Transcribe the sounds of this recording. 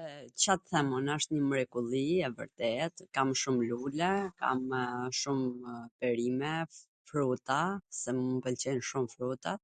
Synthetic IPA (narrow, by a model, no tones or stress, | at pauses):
t͡ɕat̪θɛmunaʃt̪ɲəmɾɛkulˠiɛvə̰ɾt̪ɛt̪kamʃumlulɛka̰mʃumpɛɾimɛ | fɾut̪asɛmumpəlt͡ɕɛnʃumfɾut̪at̪